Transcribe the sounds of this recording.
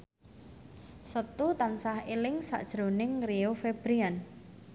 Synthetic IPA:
sət̪ut̪ansahelɪŋsa̰ʔd̥ʒ̥ɾonɪŋriofeb̥ɾian

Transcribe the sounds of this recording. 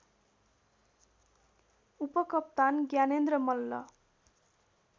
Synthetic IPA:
upʌkʌp̚t̪anɡjanend̪rʌmʌlːʌ̰

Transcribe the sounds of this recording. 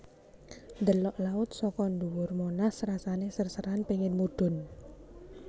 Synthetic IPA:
nd̪əlɔʔlaʊt̪̚sɔkɔnd̪uwʊrmonasrasanesərsəɾanpeŋɪnmud̪̥ʊ̤n

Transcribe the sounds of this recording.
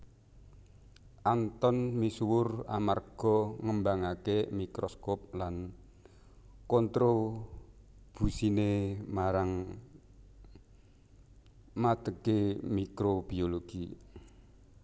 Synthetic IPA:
ʔant̪ɔnmiswʊra̰marɡ̥ɔŋəmbaŋakemikɾɔskɔp̚lan | kɔnt̪ɾo | b̥ṳsinemaɾaŋ | mat̪əɡemikɾobioloɡ̥i

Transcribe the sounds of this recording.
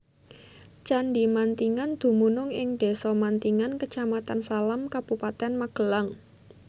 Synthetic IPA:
t͡ʃanɖimant̪iŋand̪̥ṳmunʊŋɪŋɖ̥e̤sɔmant̪iŋankət͡ʃamat̪ansalamkab̥upat̪ɛnmaɡ̥ə̤laŋ

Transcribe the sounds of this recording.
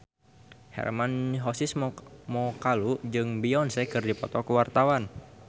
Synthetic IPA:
hɛ̰rmanɦɔsismɔkalud͡ʒɨŋbiɔnsɛkɨrdipɔ̰t̪ɔkuwart̪awan

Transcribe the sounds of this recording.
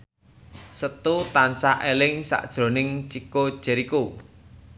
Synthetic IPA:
sət̪ut̪ansaʔelɪŋsa̰ʔd̥ʒ̥ɾo̤nɪŋt͡ʃiko̥ʒ̥ɛ̤ɾiku

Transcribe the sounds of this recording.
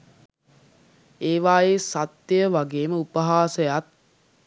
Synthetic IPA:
eːʋaːjesat̪əjəʋaɡeːməupəɦaːsəjat̪̚

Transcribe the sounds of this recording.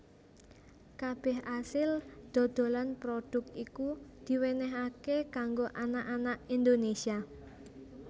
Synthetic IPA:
kab̥ɛɦasɪld̪̥o̤d̪̥o̤lanpɾod̥ʊ̤k̚t̪ikud̪̥i̤wenɛɦakekaŋɡoʔanaʔanaʔind̪onesia

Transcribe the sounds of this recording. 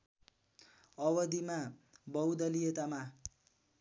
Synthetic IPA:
ʌwʌd̪imabʌwd̪ʌlijet̪ama

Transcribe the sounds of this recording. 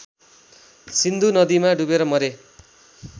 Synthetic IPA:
sind̪unʌd̪imaɖubeɾʌmʌɾe

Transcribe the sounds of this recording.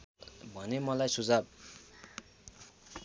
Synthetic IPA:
bʱʌnemʌlajsud͡zab̚

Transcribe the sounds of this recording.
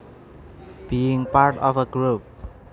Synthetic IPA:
b̥iɪŋpaɹʈɔfəɡɹup̚

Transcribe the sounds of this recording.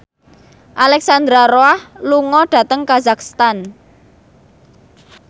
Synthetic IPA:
ʔalɛksand̪ɾaroahluŋɔɖ̥ä̤t̪əŋkazakst̪an

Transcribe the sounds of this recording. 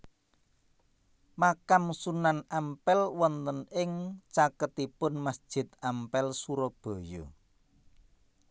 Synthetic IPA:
makamsunanampɛlwɔnt̪ənɪŋt͡ʃakət̪ipʊnmasd̥ʒ̥ɪ̤t̪̚ampɛlsuɾɔb̥o̤jo̰

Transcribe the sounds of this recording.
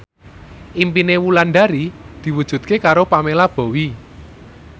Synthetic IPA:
ʔimpinewulanɖaɾid̪̥i̤wud̥ʒ̥ṳd̪̚kekaɾopamelab̥o̤wi

